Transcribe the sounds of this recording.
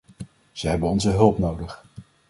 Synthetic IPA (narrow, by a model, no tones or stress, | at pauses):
z̥əɦɛbənɔnzəɦɵlˠpnowdəχ